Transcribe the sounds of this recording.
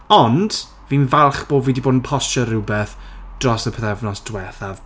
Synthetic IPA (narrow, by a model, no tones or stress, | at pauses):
ɔnd̥ | vinvalˠχb̥oːviːdiboːdn̩pʰɔstɔɾʊbɛθd̥rɔsəpʰəðɛvnɔsd̥wɛθav